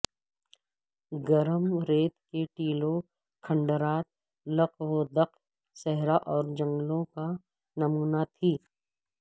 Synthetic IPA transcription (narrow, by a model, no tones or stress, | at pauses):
ɡəɾəmɾeːt̪keʈiːlo | kʰə̃ɳɖəɾaːt̪̚ | lɐqʋod̪ɐq | sɛɦɾaʔɔːɾd͡ʒə̃ŋɡlõka | nɐmuːnat̪ʰiː